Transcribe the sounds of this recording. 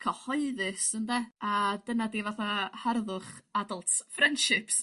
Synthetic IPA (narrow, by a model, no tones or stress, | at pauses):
kʰɔhɔɨðɨsəndɛadənadivaθaharðʊχadəlˠtʰfrɛnd̥ʃɪps